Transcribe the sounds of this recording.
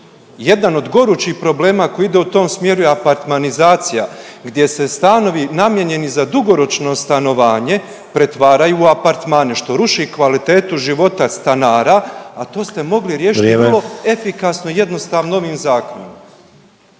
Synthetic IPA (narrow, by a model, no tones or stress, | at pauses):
je̞d̪ano̞d̪ɡo̞ɾuːt͡ʃiːhpɾo̞ble̞ːmaːkojid̪e̞ut̪o̞ːmsmje̞ɾujeapaɾt̪manizaːt̪sija | ɡd̪je̞se̞st̪ano̞ʋinamje̞ɲe̞nizad̪uɡo̞ɾo̞t͡ʃno̞st̪ano̞ʋaːɲe̞ | pɾe̞t̪ʋaːɾajuːapaɾt̪maːneʃt̪o̞ɾuʃikʋalit̪e̞ːt̪uʒiʋo̞t̪ast̪anaːɾaːt̪o̞ːst̪e̞mo̞ɡliɾjeːʃit̪iɾlˠo̞e̞fikasno̞ije̞d̪no̞st̪aːʋnoo̞ʋiːmzaːko̞nom